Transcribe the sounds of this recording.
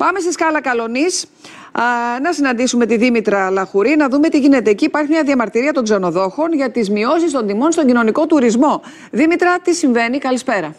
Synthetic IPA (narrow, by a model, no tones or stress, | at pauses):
pɐme̞st̪iskɐlɐkɐlo̞nis | nɐsinɐnd̪isume̞t̪iðimit̪ɾɐlɐxuɾinɐðume̞t̪iʝine̞t̪e̞ːciːpɐɾçimɲɐðiɐmɐɾt̪iɾiɐt̪o̞ŋɡze̞no̞ðo̞xo̞nʝɐt̪izmio̞sist̪o̞nd̪imo̞nst̪o̞ɲɟino̞niko̞t̪uɾizmo̞ | ðimit̪ɾɐt̪isiɱve̞nikɐlispe̞ɾɐ